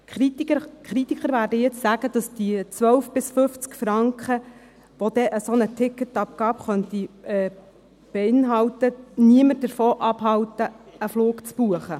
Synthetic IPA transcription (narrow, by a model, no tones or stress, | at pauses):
itkχɾit̪ikχəɾʋæːrdəjɛt͡ssæːɡ̥əd̥ɑsd̥it͡sʋœwfb̥ɪsfʏft͡skfɾɑŋkχə | ʋod̥̪ɛʔəsonətʰɪkːətɑp̚ɡ̥ɑːpχœntiɛː | b̥ɛɪnɦɑwtəniəməɾdəɾfoːʔɑbɦɑwtəəfloːkt͡sb̥uəχə